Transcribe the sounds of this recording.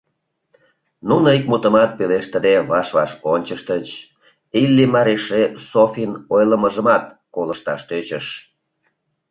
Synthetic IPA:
nunəik̚mut̪əmɑt̪̚peleʃt̪ə̆d̪eβɑʃβɑ̰ʃonʲt͡ɕəʃt̪ət͡ɕ | ilʲːimɑɾeʃesofinojləməʒəmɑt̪̚ | koləʃt̪ɑʃt̪øt͡ɕəʃ

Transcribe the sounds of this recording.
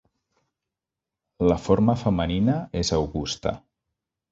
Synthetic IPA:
ləfoɾməfəməninəezəwɣust̪ə̰

